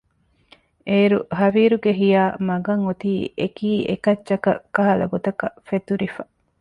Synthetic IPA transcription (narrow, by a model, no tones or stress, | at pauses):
ʔeːɾṵɦɐʋiːɾuɡeɦijaːmɐɡɐŋot̪iːʔekiːḛkɐt͡ʃːɐkɐ̰kːɐɦɐlɐ̰ɡot̪ɐkɐfet̪uɾifɐ